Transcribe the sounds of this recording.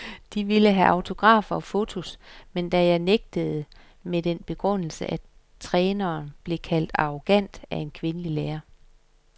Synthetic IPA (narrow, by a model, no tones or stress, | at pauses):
d̥iʋiləɦæʔɑ̈ʊt͡sʰo̝ɡ̥ʁɑ̰̈ːfɐɒ̽fo̝t͡sʰo̝smend̥æjɑ̈ɪneɡ̥̚d̥əð̞̩ˠə | med̥enb̥e̝ɡ̥ʁɔn̰l̩sə̰ʔæ | t͡sʰʁɛːnɐːnb̥le̝kʰæl̰d̥ɑ̈ʁo̝ɡ̥æn̰d̥æe̝nkʰʋe̝nəlileːɐ